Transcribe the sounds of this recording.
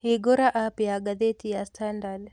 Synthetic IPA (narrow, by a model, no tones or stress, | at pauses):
hiɡɔɾaʔapijaɡaðetijastandal